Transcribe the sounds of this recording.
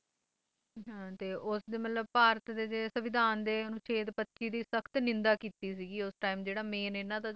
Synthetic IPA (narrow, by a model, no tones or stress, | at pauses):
ɦãːt̪eːʔʊsd̪eːmət̪ləbpaːɾət̪d̪eːd͡ʒeːsəʋɪd̪ʱaːnd̪eːnũːt͡ʃʰeːt̪pətːʃiːd̪iːsəkʰt̪nɪ̃nd̪aːkiːt̪iːsiːɡiːʊsʈaːiːmd͡ʒeːɽaːmeːnenaːt̪ãː